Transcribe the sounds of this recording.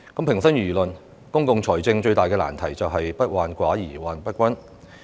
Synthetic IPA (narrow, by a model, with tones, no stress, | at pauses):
kɐ˨˥mpʰɪ˨˩ŋsɐ˥nɥyː˨˩lɵ˨n | kʊ˥ŋkʊ˨ŋt͡ʃʰɔː˨˩jt͡sɪ˧ŋt͡ʃɵ˧ɥt̪aː˨jkɛː˧la̰ː˨˩nt̪ʰɐ˨˩jt͡sɐ˨wɦɐ˨jpɐ˥t̚waː˨nkʷaː˨˥jiː˨˩waː˨˩npɐ˥t̚kʷɐ˥n